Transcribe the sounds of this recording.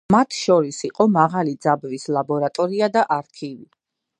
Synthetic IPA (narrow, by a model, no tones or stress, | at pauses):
mat̪ʰʃɔɾisiqʼɔmaʁalid̪zabvislˠabɔɾat̪ʼɔɾiad̪aʔaɾkʰivi